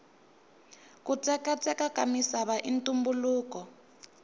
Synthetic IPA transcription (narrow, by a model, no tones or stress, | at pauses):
kut͡sɛkat͡sʼɛkakamisaβaʔintumbuluːkɔ